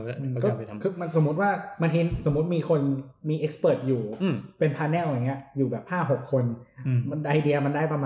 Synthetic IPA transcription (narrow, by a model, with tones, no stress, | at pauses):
ʔɯː˧kɔː˥˧kʰɯː˧ma˧nso˩˦mːu˦˥t̪̚waː˥˩ma˧ŋk̪ʰiː˧nso˩˦mu˦˥t̪̚miː˧kʰo˧nmiː˧ʔe˦˥k̚spɤː˨˩t̪̚juː˨˩˧pe˧npʰaː˧nɛː˥˩lwa˧˩ŋːi˦˥ɐjuː˨˩bɛː˨˩p̚haː˥˩ɦo˨˩kʰːo˧n˧ | ʔa˧jdi˧ɐma˧ndaː˥˩jpɾa˧maː